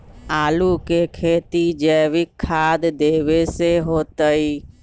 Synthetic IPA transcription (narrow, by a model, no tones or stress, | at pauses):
aːlukekʰeːt̪id͡ʒɛːʋɪkʰːaːd̪d̪eːʋeseɦoːt̪əi